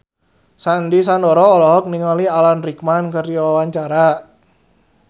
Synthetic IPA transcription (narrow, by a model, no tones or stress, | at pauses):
sandis̬andɔɾɔːlɔɦɔk̚niŋalialanrik̚mankərdiwawaɲt͡ʃaɾa